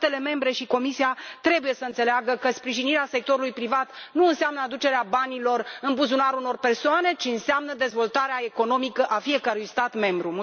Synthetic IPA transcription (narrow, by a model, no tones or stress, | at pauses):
t̪e̞le̞me̞mbɾe̞ʃiko̞misiat̪ɾe̞buje̞səɨnt̪seleaɡəkəspɾiʒiniɾease̞k̚t̪o̞ɾulujpɾivat̪nuɨnseamnəad̪ut͡ʃe̞ɾeabanilo̞rɨmpuzunaɾuno̞rpe̞rsoane̞t͡ʃiɨnsamnəd̪e̞zvo̞lt̪aɾeae̞ko̞no̞mikəʔafie̞kəɾujst̪at̪me̞mbɾum